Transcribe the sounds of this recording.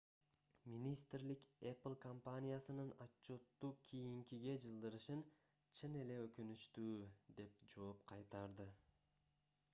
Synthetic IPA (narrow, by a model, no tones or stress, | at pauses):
mʲinʲist̪rlikeplˠkompanʲijasɯnɯnɑt͡ʃːo̞t̪ːuːkʲʰijiŋkiɡe̞d͡ʒɯlˠd̪ɯɾɯʃɯn | t͡ʃʰɯne̞le̞økynyʃt̪yːd̪e̞p̚d͡ʒo̞ːp̚qʰɑjt̪ɑɾd̪ɯ